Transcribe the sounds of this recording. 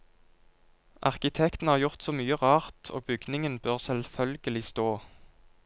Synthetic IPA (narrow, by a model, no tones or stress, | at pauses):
ʔɑʁkɪt̪ʰɛkt̪n̩hɑːʁjʊʁt̪soːmyːəʁɑːʁt̪ʰo̰ːbʏɡnɪŋənbøːʁsɛlfœlɡəlɪst̪oː